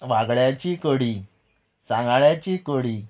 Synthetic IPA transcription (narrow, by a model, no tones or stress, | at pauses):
ʋaɡɭjat͡ɕikoɽi | sãŋɡɭjat͡ɕikoɽi